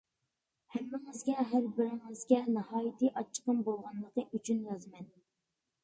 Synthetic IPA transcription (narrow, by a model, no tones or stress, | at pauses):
hæmːɪŋɨzɡʲɛɦæɾbɪɾɪŋɨzɡʲɛnɨhɑːjit̪ʰiʔɑt͡ʃʰːə̥qəmbolˠʁɑnlˠəqəʔyt͡ʃʰynjɑzmɛn